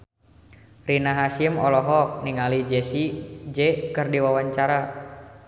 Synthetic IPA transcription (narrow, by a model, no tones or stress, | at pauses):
rinaɦasiəmɔ̰lɔɦɔk̚niŋalid͡ʒɛsid͡ʒɛkərdiwawaɲt͡ʃaɾa